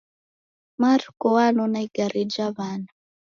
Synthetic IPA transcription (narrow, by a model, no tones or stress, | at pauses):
markɔwanɔnaiɡaɾid͡ʒaβana